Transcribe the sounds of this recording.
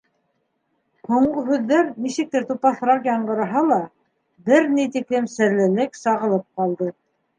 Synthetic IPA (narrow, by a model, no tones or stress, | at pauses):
huɴɢɤɦʉðːæɾnisɘ̆k̚t̪ɘɾt̪upɑθɾɑqjɑɴɢɤ̆ɾɑ̆ɦɑlˠɑ | bɘɾnijt̪iklɘmsɘ̆ɾlɘ̆lɘksɑʁɤ̆lˠɤp̚qɑlˠd̪ɤ